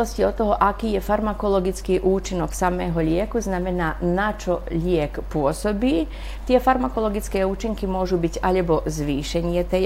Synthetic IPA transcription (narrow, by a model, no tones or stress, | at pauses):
ɔsciɔt̪ɔɦɔʔakiːjɛfaɾmakɔlɔɡit͡skiːʔuːt͡ʃinɔksamɛːɦɔʎɪɛkuznamɛnaːnat͡ʃɔʎɪɛkpʊɔsɔbiː | t̪ɪɛfaɾmakɔlɔɡit͡skɛːuːt͡ʃiŋkimʊɔʒubiɟaʎɛbɔzʋiːʃɛɲɪɛt̪ɛj